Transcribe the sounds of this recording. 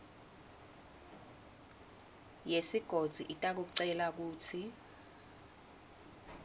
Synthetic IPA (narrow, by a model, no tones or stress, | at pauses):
jesiɡ̥ʱod̥z̥ʱiʔitʼak̬uk̬uǀɛlak̬uːtʰi